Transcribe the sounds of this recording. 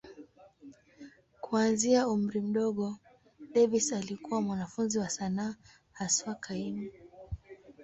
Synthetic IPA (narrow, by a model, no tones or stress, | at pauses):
kuanziaum̩ɾim̩ɗɔɠɔ | ɗɛvisalikuwamwanafunziwasanaː | haswakʰaimi